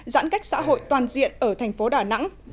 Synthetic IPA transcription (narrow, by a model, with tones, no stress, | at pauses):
za̰ː˧˥nka˦˥jk̟̚sa̰ː˧˥ɦo̰˧˨jt̪waː˨˩nzḭ˧˨ənʔəː˧˩t̪ʰɛ˨˩ŋ̟fo˨˦ɗaː˧˩na̰˧˥ŋ